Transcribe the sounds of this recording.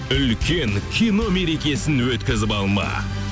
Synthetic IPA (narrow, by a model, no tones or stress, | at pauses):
ʏlkʲʰe̞ŋkʲʰijno̞me̞ɾe̞kʲe̞sɪnwɵt̪kʲɪzɪpɑlˠmɑ̰